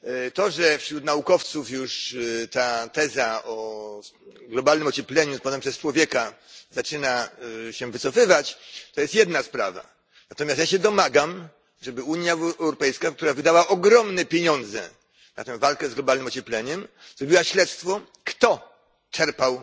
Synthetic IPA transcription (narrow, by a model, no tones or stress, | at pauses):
t̪ɔʐɛfɕɾut̪naukɔft̪sufjuʂt̪at̪ɛzaɔ | ɡlɔbalnɘmɔt͡ɕɛplɛɲupɔt̪ɛmpʂɛst͡ʂwɔvʲjɛkazat͡ʂɘnaɕɛvɘt̪sɔfɘvat͡ɕt̪ɔjɛst̪jɛd̪naspɾa̰va̰ | nat̪ɔmʲjast̪jaɕɛd̪ɔmaɡam | ʐɛbɘuɲjaɛwɾɔpɛjskak̚t̪uɾavɘd̪awaʔɔɡɾɔmnɛpʲjeɲɔnd̪zɛ̰ | na̰t̪ɛ̃w̃valkɛzɡlɔbalnɘmɔt͡ɕɛplʲɛɲɛm | zɾɔbʲiwaɕlɛt̪st̪fɔ | kt̪ɔ | t͡ʂɛɾpaw